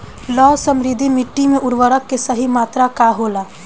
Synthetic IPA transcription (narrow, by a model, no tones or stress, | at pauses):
lɔːsə̃mɾɪd̪ʱimɪʈːimẽʔʊɾʋəɾəkːesəɦimaːt̪ɾakaɦoːlaː